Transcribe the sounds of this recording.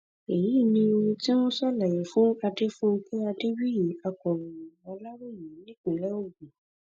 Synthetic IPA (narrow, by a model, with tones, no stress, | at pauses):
e˨ji˨˦˨nĩ˧o˧ɾũ˧ti˦mõ˦sa˦˨la˨jɛ˨fũ˨˦a˧de˦fũ˦ŋ̩˦ke˦a˧de˦bi˦ji˨˦a˧kɔ˨ɾɔ̃˨jũ˨a˧la˦ɾe˦˨ji˨˦nĩ˦k͡pĩ˨lɛ˦o˦˨ɡũ˨